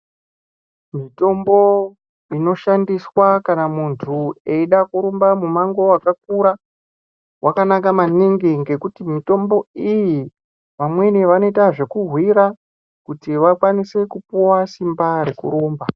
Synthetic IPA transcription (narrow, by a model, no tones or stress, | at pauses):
mito̞mbo̞ | ino̞ʃandiswakanamuntʰue̞iɗakuɾombamumaŋɡo̞wakak̚uɾa | wʔakanakamaniŋɡiŋɡe̞kutimito̞mbo̞iji | ʋamwe̞neʋano̞itaʐe̞kurwiɾa | kutiʋakwanise̞kupuwasimbaɾe̞kṵɾo̞ːmba